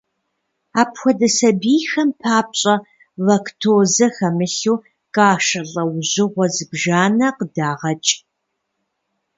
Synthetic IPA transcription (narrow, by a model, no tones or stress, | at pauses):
aːpxʷɔdɐsɐbiːxɐmpʰaːp̚ɕʼɐ | vɐkʰtʰoːzɐxɐmɨɬuː | kʼaːʂɐɮʼɐwʑɪʁʷɔzɨbʒaːnɐqədaːʁɐt͡ʃʼ